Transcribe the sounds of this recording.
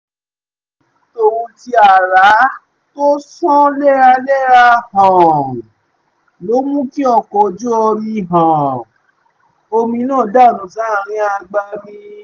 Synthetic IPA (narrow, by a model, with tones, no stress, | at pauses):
to˧wũ˧ti˧a˨ɾa˨˦ | to˦sɔ̃˦lɛ˦˨ɾa˧lɛ˦˨ɾa˧hã˨ | lo˨˦mũ˦ki˦ɔ˧˨kɔ˧˨d͡ʒu˦ɔ˧ɾi˧˨ɦã˨ | o˧mĩ˧nãː˦˨da˦˨nũ˨sã˨˦˧ɾ̃ĩ˧a˧ɡ͡ba˧bĩ˦